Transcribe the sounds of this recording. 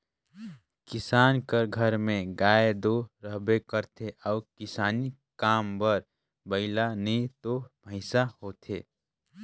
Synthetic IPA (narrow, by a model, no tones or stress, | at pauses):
kɪsaːnkəɾɡʱəɾmẽɡaːed̪oɾəɦbekəɾt̪ʰeʔɔːkɪsaːnikaːmbəɾ | bəɪlanəĩt̪obʱə̃ɪsahoːt̪ʰeː